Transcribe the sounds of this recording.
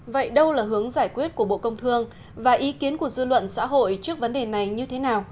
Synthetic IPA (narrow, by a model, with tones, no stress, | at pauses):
və̰˧˨jɗə˧wlaː˨˩ɦɨ˨˦əŋzaː˧˩jkwi˦˥ət̚ku˧˩əɓo̰˧˨kə˧wŋ͡mt̪ʰɨ˧əŋ | vaː˨˩ʔi˨˦ki˨˦ənku˧˩əzɨ˧lwə̰˧˨nsa̰ː˧˥ɦo̰˧˨jt͡ɕɨ˦˥ək̚və˨˦nɗe˨˩na˨˩jɲɨ˧t̪ʰe˨˦naː˨˩w